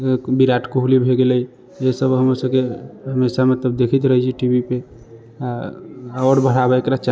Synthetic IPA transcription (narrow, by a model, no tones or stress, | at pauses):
biɾaʈʰkoɦulibʱeɡeləj | esəbɦəmɾsəbkeɦəmesamət̪ləbd̪ekʰit̪ɾəɦit͡ʃʰiʈibʱipe | a | ɔɾbəɽ̤abeekɾat͡ʃa